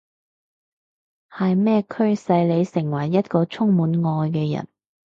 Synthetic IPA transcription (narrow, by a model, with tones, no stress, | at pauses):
hɐ˨jmɛː˥kʰɵ˥ɥsɐ˧jle˨˧jsɪ˨˩ŋwɐ˨˩jːɐ˥t̚kɔː˧t͡ʃʰʊ˥ŋmuː˨˥nŋɔː˧jkɛː˧jɐ̰˨˩n